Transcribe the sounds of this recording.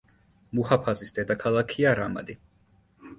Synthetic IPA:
muhapʰazisd̪ɛd̪akʰalˠakʰiaɾama̰d̪i

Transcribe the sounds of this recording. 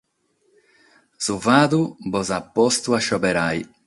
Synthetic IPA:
z̥uvaːd̪ubɔzapːɔst̪uaʃɔpɛɾaj

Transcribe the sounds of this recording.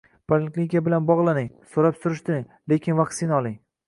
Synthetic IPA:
pʰalɪkʲlikʲabɪlanbɒʁlˠanɪŋ | soɾapsʊɾɪʃt̪ɪɪŋ | lekʲʰɪnvakt̪sɪnaɒlˠɪŋ

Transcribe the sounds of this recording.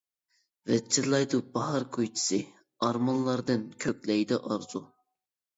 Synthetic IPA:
vɛt͡ʃʰːɪlˠɑjd̪ubɑhɑɾkʰujt͡ʃʰi̥sɨ | ɑɾmɑnlˠɑɾd̪ɨnkʲʰøkʲlɛjd̪ɪʔɑɾz̥u

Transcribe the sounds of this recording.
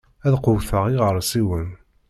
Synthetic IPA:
æðqʊwθəʁiʁəɾˤsiwən

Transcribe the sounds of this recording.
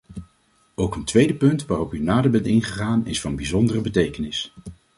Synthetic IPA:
owkəntʋejdəpɵntʋaːrɔpynaːdəɹbɛntɪnχəχaːnɪ̰sfɑnbizɔndərəbətejkənɪs

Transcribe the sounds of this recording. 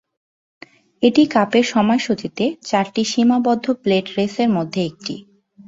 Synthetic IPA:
eʈikapeɾʃɔmɔeʃot͡ɕit̪et͡ɕaɾʈiʃimabɔd̪ʱːopleʈɾeseɾmod̪ʱːeek̚ʈḭ

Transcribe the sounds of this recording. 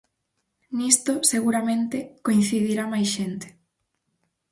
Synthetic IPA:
nist̪oseɣuɾamẽnt̪ekoin̟θiðiɾamajsʃent̪e̥

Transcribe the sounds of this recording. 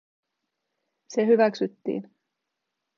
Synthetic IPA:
seɦyʋæksyt̪ːḭːn

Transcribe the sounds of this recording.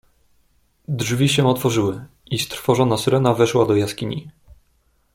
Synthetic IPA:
d̪ʐvʲiɕɛ̃ɔt̪fɔʐɘwɘ | ist̪ɾfɔʐɔnasɘɾɛnavɛʂwad̪ɔjaskʲiɲi

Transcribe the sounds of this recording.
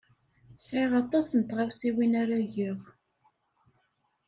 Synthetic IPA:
sʕɪʁɑt̪ˤɑsənt̪ʁawsiwinaɾæʝiʁ

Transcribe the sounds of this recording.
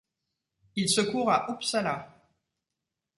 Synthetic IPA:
ilsəkuʁaʔupsala

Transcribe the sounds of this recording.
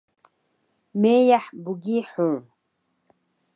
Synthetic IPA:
meːjaħbuɡiħʊɻ

